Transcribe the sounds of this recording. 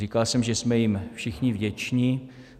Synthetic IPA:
ikalsɛmʒɛsmɛjɪmfʃɪxɲɪvɟɛt͡ʃɲɪ

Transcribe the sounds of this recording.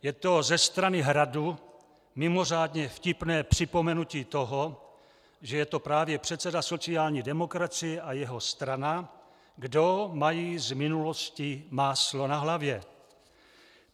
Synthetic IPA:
jɛt̪o̞zɛst̪ɾanɪɦɾadu | mɪmo̞r̝aːdɲɛfcɪpnɛːpr̝̥ɪpo̞mɛnuciːt̪o̞ɦo | ʒɛjɛt̪o̞pɾaːvjɛpr̝̥ɛt̪sɛdaso̞t͡siaːlɲiːdɛmo̞kɾat͡sɪjɛʔajɛɦo̞st̪ɾana | ɡdo̞majiːzmɪnulo̞scimaːslo̞naɦlavjɛ

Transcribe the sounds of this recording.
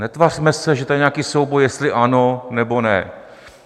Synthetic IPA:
nɛt̪var̥mɛsɛʒɛt̪ojɛɲɛakiːsowbojɛst̪lɪʔanonɛbo̞nɛ̰

